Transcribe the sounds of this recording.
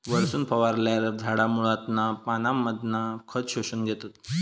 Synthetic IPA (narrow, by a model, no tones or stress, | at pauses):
ʋəɭsuːnpʰəʋaɾlaɾd͡zʱaɽamuɭat̪napanamːəd̪nakʰət͡sɕoɕunɡʱɛt̪at̪̚